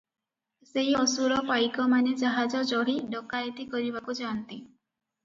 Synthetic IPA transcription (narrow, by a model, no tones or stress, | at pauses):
seɦiɔsuɾɔpajkɔmaned͡ʒaɦad͡ʒɔd͡ʒɔɽ̤iɖɔkajt̪ikɔɾibakud͡ʒant̪i